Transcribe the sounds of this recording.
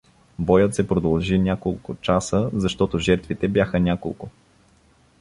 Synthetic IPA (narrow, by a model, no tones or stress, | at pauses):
bɔjət̪sɛpɾod̪ɐlˠʒinʲakolˠkʊt͡ʃasəzɐʃt̪ɔt̪ʊʒɛɾt̪vit̪ɛbjaxənʲako̰lˠkʊ